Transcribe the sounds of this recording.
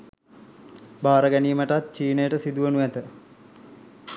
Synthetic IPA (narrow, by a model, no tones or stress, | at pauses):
baːɾəɡæniːməʈat̪̚t͡ʃiːnəjəʈəsid̪uʋənuæt̪ə